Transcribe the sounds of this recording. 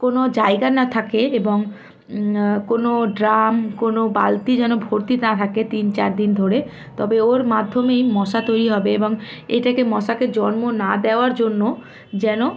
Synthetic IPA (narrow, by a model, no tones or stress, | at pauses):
konod͡ʑaeɡanat̪ʰakeeboŋ | konoɖɾamkonoba̰lt̪id͡ʑɛnobʱoɾt̪iɾnat̪ʰaket̪int͡ɕa̰ɾd̪ind̪ʱoɾe | t̪ɔ̰beoɾmad̪ʱːomejmɔʃat̪ojɾiɦɔbeeboŋḛʈakemɔʃaked͡ʑɔnmonad̪eoaɾd͡ʑonːo | d͡ʑɛno